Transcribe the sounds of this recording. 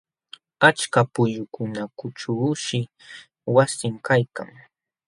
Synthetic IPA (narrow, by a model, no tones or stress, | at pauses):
at͡ʃkapʊʎʊkʊnakʊt͡ʃuːʃɪ | wasɪmkajka̰ŋ